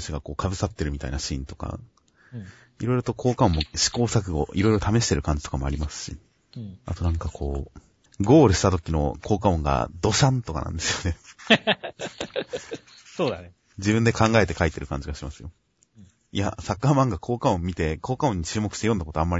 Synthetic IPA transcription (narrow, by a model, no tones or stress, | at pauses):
ɕiɡako̞ːkʰabɯ̟sat̪ːe̞ɾɯ̟mʲit̪a̰inaɕḭ̃ːnt̪o̞̥ka̰ | iɾo̞iɾot̪okʰo̞ːkaõ̞mːoɕi̥ko̞ːsak̬ɯ̟ɡo̰ʔiɾo̞iɾo̞t̪ame̞ɕi̥t̪e̞ɾɯ̟kãɲ̟d͡ʑit̪okamo̞aɾʲimasɨ̥ɕḭ | a̰t̪o̞nãŋkakʰo̞ː | ɡo̞ːɾɯ̟ɕi̥t̪at̪̬o̞kʲino̞̰kʰo̞ːkaõ̞ŋɡa̰d̪o̞ɕãnt̪o̞ka̰nã̰nd̪e̞sɨjo̞ne̞ | soːd̪a | d͡ʑibɯ̟̃nd̪e̞kʰãŋɡae̞t̪e̞kait̪e̞ɾɯ̟kãɲ̟d͡ʑiɡaɕimasɨjo̞ | ja̰sakːaːmãŋɡakʰo̞ːkaõ̞mːʲit̪e̞koːkaõ̞ɲ̟ːit͡ɕɨːmokɯ̟̥i̥tejond̪akot̪amːa